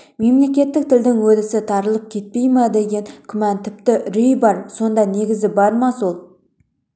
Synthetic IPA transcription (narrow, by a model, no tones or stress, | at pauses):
me̞mle̞kʲe̞t̪ːɪk̚t̪ʰɪld̪ɪŋwɵd̪ɪsɪt̪ʰɑɾəlˠəp̚kʲʰe̞t̪̚pe̞jmɪd̪e̞ɡʲe̞ŋkʲʰʏmænt̪ʰɪp̚t̪ɪɾʏjbɑɾso̞nd̪ɑne̞ɡʲɪzɪbɑɾmɑsolˠ